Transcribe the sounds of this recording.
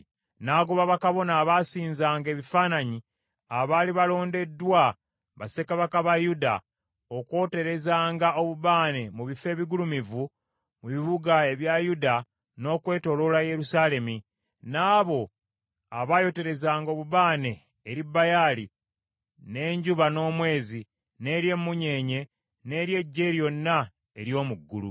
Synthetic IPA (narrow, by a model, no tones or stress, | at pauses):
naːɡoβaβakaβo̞naːβasiːnzaːŋɡe̞ːβifaːnaɲi | aβaːliβalo̞ːnde̞dːwa | βa̰se̞kaβakaβajuda̰ | okwo̞ːte̞ɾe̞zaːŋɡao̞βuβaːne̞muβife̞ːβiɡulumivu | muβiβuɡae̞βjajuda | no̞ːkwe̞ːto̞lo̞laje̞ɾusaːle̞mi | naːβo̞ | aβajo̞te̞ɾe̞zaːŋɡo̞ːβuβaːne̞ː | ɾibːajali | ne̞ːɲɟuβano̞ːmwe̞ːzi | ne̞ɾje̞mːuɲe̞ːɲe̞ | ne̞ːɾje̞ɟːe̞ːɾjo̞nːa | e̞ɾjo̞ːmuɡːṵlṵ